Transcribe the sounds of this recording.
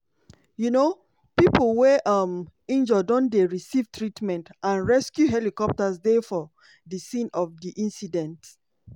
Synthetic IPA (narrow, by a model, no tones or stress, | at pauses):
juno | pipl̩weʔʌmĩnd͡ʒədõndeɹisivtɹitmɛ̃ntãnɹɛskjuɦɛlikɔp̚tasdefɔ | disĩnɔvdiʔĩnsidɛ̃nt